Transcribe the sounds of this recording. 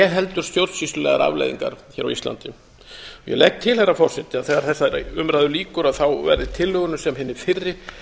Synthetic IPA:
ɛɦɛlt̪ʏɾ̥st̪jowɾsvist̪ʏlɛːɣa̰ɾʔa̰vlḛjðḭŋka̰ɾ̥çɛɾa̰wḭst̪a̰nt̪ɪ | ɔjɛ̰lɛk̚t̪ʰɪlhɛrːafɔrsɛt̪ɪaðθɛːɣaɾ̥θɛsaʏmɾajðʏliːkʏɾaðθawvɛ̰ɾðɪt̪ʰɪlhœɣʏnʏsɛmɦɪnːɪfɪrːɪ

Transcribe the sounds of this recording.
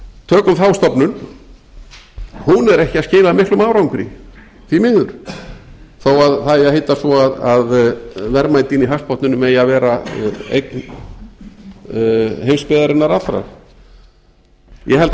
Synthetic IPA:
t̪ʰœːkʏmθawst̪ɔpnʏn | hunɛɾɛhcɪascɪːlaðmɪhklʏmaːwɾawŋkʏɾḭ | θimɪɣðʏɾ̥ | θowaðθaɪaɦejt̪asvɔaðaðvɛɾmaːjt̪iniɦafs̚pɔht̪nʏnʏmɛːjavɛːɾaḛjkn | hejmspɪðaɾɪnːaɾat̪ɾa̰ɾ | jɛɦɛlt̪

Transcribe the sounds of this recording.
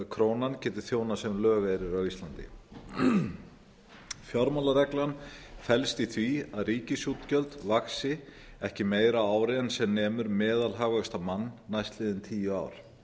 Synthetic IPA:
kʰɾoːwnancɛːt̪ɪ̥θjoːwnasɛmlœːɣaɛɾɪɾœwist̪lant̪ɪ̰ | fjɔɾmalaɾɛklanfɛlst̪iθviaðɾiːcɪsjut̪cœlt̪vaksɪ | ɛhcɪmeːjɾaaːwɾɪɛnsɛmnɛːmʏɾmɛːðalɦaːɣœst̪amanːajst̪lɪːðɪnt̪ʰiːjʏa̰ːwɾ̥

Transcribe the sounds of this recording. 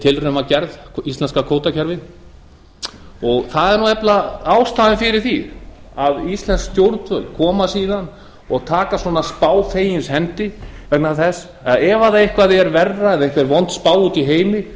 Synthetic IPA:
t̪ʰɪlrœmacɛɾðist̪lɛnskakʰoːwt̪acʰɛɾvɪn | ɔɣθaðɛɾnuɛplaaːwst̪aːðɪfɪɾɪɾ̥θið | aðist̪lɛnskst̪jowɾt̪fœlkʰɔːmasiːðan | ɔɣt̪ʰaːkasɔːnaspaːwfeːjɪnshɛnt̪ɪvɛknaθɛs | aɛːvaðaehkvaðɪɛɾvɛrːaɛnehkvɛɾvɔnt̪spaːwut̪iɦeːjmɪ

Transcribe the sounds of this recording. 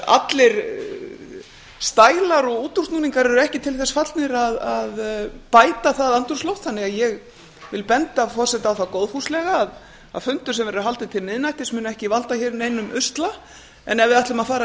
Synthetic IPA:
a̰t̪lɪɾ | st̪aːjlaɾɔɣuːt̪ursnuːniŋkaɾɛɾʏɛhcɪt̪ʰɪlθɛsfat̪lnɪɾaðaðpaːjt̪aθaðant̪uɾ̥slowt̪θanːɪɣaðjɛɣ | vɪlpɛnt̪afɔr̥sɛt̪aːwθawkowðfuslɛɣaːð | a̰ðfʏnt̪ʏ̥s̬ɛmvɛɾɦalt̪ɪt̪ʰɪlnɪðnajht̪ɪ̥smʏːnʏɛhcɪvalt̪açɛɾneːjnʏmʏst̪la | ɛ̰nɛvɪðaht̪lʏmaðfaːɾa

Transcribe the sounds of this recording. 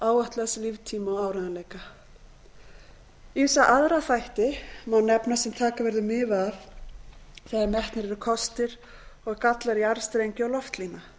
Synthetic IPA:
aːwœht̪laslivt̪ʰiːmaɔaːwɾanalɛːjka | isaʔaðɾaθajht̪ɪmawnːɛpnasɛmt̪ʰaːkavɛɾðʏmɪːvað | θɛaɾmɛht̪nɪɾɛɾʏkʰɔst̪ɪɾ̥ | ɔɣkat̪laɾiaɾ̥st̪ɾejɲcɪɔɣlɔft̪lina

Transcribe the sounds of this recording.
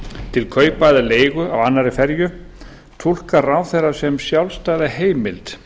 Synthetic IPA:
t̪ʰɪlkʰœːɥpajðaleːjɣʏʔawanːaɾɪfɛɾjʏ | t̪ʰul̥kaɾaːwθɛrḁsɛmsjawlst̪ajðaheːjmɪlt̪

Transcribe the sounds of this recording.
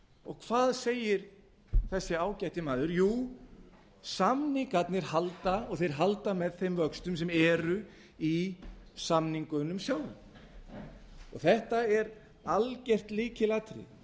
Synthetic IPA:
ɔɣkʰv̥aːðseːjɪɾ̥ | θɛsːɪaːwcajht̪ɪmaːðʏɾjuː | samnɪkat̪nɪɾ̥halt̪aɔɣθejɾ̥ɦalt̪amɛðθejmvœkst̪ʏmsɛmɛːɾʏ | isamniŋkʏnːʏmsjaːwlʏm | ɔɣθɛht̪aɛɾ | alcɛr̥t̪liːcɪlaːt̪ɾɪ̰

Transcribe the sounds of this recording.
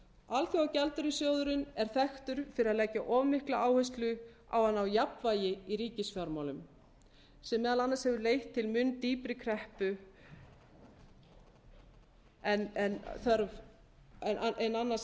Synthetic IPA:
alθjaawcalt̪ʏɾɪsjoːwðʏɾʏnɛɾ̥θɛxt̪ʏɾ̥fɪɾɪɾaðlɛːcːaʔɔːvmɪhklaʔaːwhœjs̬t̪lʏ | a̰wanːawjapvaːjɪiɾiːcɪsfjaɾmaːwlʏm | sɛmːɛːðalanːashɛvʏɾleːjht̪ʰːɪlmʏnt̪iːpɾɪkʰɾɛhpʏ | ɛnɛnθœɾv | ɛnaʔenanːas

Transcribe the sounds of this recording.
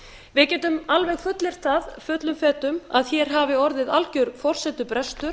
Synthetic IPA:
vɪðcɛːt̪ʏmalvɛɣfœt̪lɪɾ̥θaðfœt̪lʏmfɛːt̪ʏmaðçɛɾ̥ɦaːvɪɔɾðɪðalcʏɾfɔr̥sɛt̪ʏpɾɛst̪ʏɾ̥

